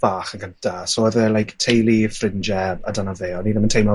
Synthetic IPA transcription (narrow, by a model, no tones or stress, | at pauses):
v̥aːχəɡəntʰasɔːɛðɛlˠajktʰejlˠifrɪnd͡ʒɛa̰danaveːɔniːðəməntʰejmɔ